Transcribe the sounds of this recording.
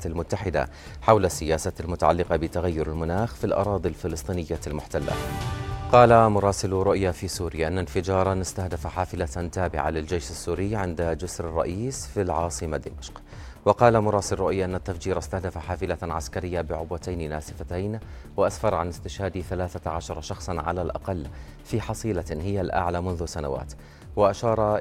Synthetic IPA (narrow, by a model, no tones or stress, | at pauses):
lmʊt̪ːaħɪd̪a̰ | ħawlasːɪjaːsalmʊt̪aʕalːɪqɑbɪt̪aɣajːʊɾalmʊnaːxfilʔɑ̰ɾˤɑːd̪ˤilfɪlɨsˤt̪ˤiːnɪjːalmʊħt̪alːa̰qɑːlamʊɾˤɑːsɪlɾʊʔjafiːsuːɾɪjaʔɪnːanfɪd͡ʒɑːɾˤɑnɪst̪ahd̪afaħaːfɪlat̪aːbɪ̰ʕa̰lɪld͡ʒejʃɪsːuːɾɪjːʕɪnd̪ad͡ʒʊsɾɪrˤːɑ̰ʔiːsfilʕɑːsˤɨmad̪ːɪ̰maʃq | wɪqɑːlamʊɾˤɑːsɪlrˤʊʔjaʔɪnːat̪ːafd͡ʒiːɾʔɪst̪ahd̪afaħaːfɪlaʕa̰skaɾɪjːabɪʕʊbwat̪ajnla̰ːsɪfat̪ajnwɪʔasfɑɾˤʕanɪst̪ɪʃhaːd̪iθalaːθaʕaʃɑɾˤɑʃɑxsˤɑnʕa̰lalʔɑ̰qɑlː | fiːħɑsˤiːlahɪjːalʔa̰ʕlamʊnðʊsana̰wa̰ːt̪ | wɪʔaʃɑːɾˤɑ